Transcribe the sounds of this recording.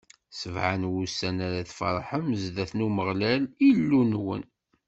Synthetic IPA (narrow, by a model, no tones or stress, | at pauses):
səvʕanwusænaɾaθfɑ̰ɾˤħəmzd̪æθnuməʁlælilːunwə̰n